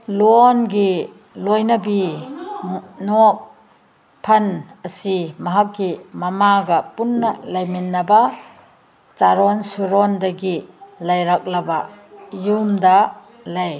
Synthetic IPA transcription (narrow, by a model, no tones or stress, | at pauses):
lɔnɡi | lojnɐbi | nok̚ | pʰɐnɐsimɐɦakːimɐmaɡɐpunːɐlajminːɐbɐ | t͡ʃaɾɔnsuɾɔndɐɡilajɾak̚lɐbɐjumdɐ | laj